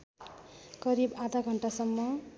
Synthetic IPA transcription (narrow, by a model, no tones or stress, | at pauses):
kʌɾibad̪ʱaɡʱʌɳʈasʌmːʌ